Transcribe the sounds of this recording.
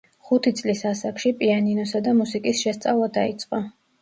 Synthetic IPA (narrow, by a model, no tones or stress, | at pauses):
χut̪ʰit̪sʼlisasakʰʃipʼianinɔsad̪amusikʼisʃɛst̪sʼavlˠad̪ait̪sʼqʼɔ